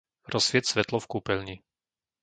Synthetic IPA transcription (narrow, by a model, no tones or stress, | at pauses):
ɾɔsʋɪɛt̪sʋɛt̪lɔfkuːpɛlɲi